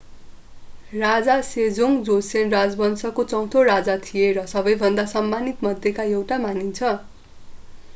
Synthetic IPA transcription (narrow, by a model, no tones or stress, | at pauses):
rad͡zased͡zoŋd͡zosenrad͡zbʌnsʌkot͡sʌw̃t̪ʰoɾad͡zat̪ʰijeɾʌsʌbʌjbʱʌnd̪asʌmːanit̪mʌd̪ʱjekaewʈamanint͡sʰʌ